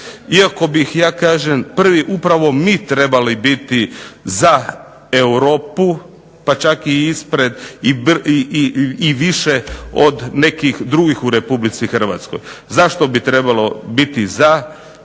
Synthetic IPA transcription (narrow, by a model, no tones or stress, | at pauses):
iako̞bixjaːkaːʒempr̩ʋiʔupɾaʋo̞miːt̪ɾe̞balibit̪iza | ewɾo̞ːpu | pat͡ʃakiispɾed̪ib | iʋiʃeo̰d̪ne̞kixd̪ɾuɡixuɾe̞publit̪sixr̩ʋa̰t̪sko̞̰jzaʃt̪o̞bit̪ɾebalˠo̞bit̪iza